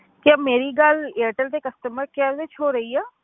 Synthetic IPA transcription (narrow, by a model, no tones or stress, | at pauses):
kɪameːɾiːɡəleːʈəld̪eːkəst̪əməɾkaːzet͡ʃʰoːɾəiːaː